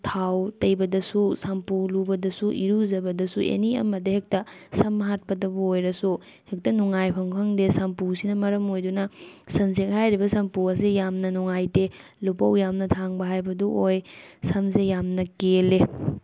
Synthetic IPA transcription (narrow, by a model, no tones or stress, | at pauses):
tʰawtɐjbɐdɐsusampulubɐdɐsuʔiɾuzɐbɐdɐsuʔḛniɐ̰mɐdehek̚tɐsɐmːɐɦat̚pɐdɐbɐojɾɐsu | hek̚tɐnuŋajpʰɐŋpʰɐŋdesampusinɐmɐɾɐmojdunɐsɐnsek̚hajɾibɐsɐmpuɐsejamnɐnuŋajte | lupɐwjamnɐtʰaŋbɐɦajbɐduʔojsɐmsejamnɐkele